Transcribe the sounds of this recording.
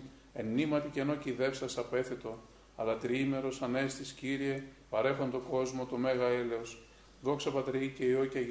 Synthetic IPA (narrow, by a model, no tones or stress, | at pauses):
e̞nːimɐt̪iceno̞ciðe̞fsɐsɐpe̞θet̪o̞ | ɐlɐt̪ɾime̞ɾo̞sɐnest̪isciɾie̞pɐɾe̞xont̪o̞ɡo̞zmo̞t̪o̞meɣɐele̞os | ðo̞ksɐpɐt̪ɾiiceio̞cɐ